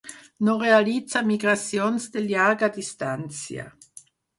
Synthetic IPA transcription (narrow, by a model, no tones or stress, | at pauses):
norealid̪samiɡɾasjonsd̪eljaɡad̪ist̪ant̪sja̰